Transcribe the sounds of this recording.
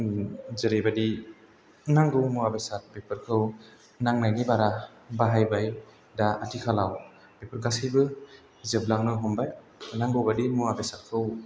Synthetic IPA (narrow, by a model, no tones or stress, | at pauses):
zɯɾebadi | naŋɡɯwmuabesat̚bepɯɾkʰɯw | naŋnajnibaɾa | baɦajbaj | daatʰikʰalaw | bepʰɯɾɡasijbɯ | zɯblaŋnɯɦɔmbaj | naŋɡɯwbadimuabesat̚kʰɯw